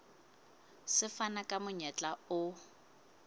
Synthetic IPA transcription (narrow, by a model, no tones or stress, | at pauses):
sɪfanakʼamʊɲɛt͡ɬʼaʊ